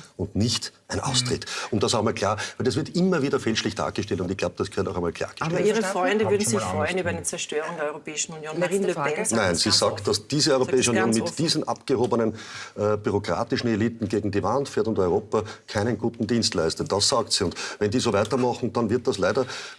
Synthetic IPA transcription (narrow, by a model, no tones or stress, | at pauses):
ʊntnɪçtʔæɪnʔɑ̰ʊstʁ̥ɪtʊ̃nmd̥asaʊxmaːlkʰlaːɐvɛɪlɛsv̥ɪɐtʔɪmːɐviːdɐfɛlʃlɪçd̥a̰ːɐɡ̥əʃtɛltʊntɪçɡ̥laʊb̚d̥ɐsɡ̥ʰɛntaʊɛmaːlkʰla̰ːɐɡ̥ə̥iːʁəfʁɔʏndəvʏɐdn̩zɪçfʁɔʏənyːbɐit͡sɛɐʃtøːʁʊŋdeɐɔʁopɛːɪʃn̩unjoːnmaʁiːnløpɛnæɪnsiːzaːktd̥ɐsd̥iːzəɔʏʁopʰɛːɪʃəunjoːnmɪtd̥iːzn̩ʔa̰pɡ̥əhoːbənənɛb̥yʁokʁ̥a̰ːtɪʃn̩eliːtn̩ɡeːɡŋ̩diːvantfɛːɐtʊntɔʏʁoːpɐkʰæɪnənɡuːtn̩diːnstlæɪstɐd̥asːaːktsiːʊntvɛndiːzoːvæɪtɐmɑχn̩d̥ɑnvɪɐt̚d̥ɐslæɪdɐ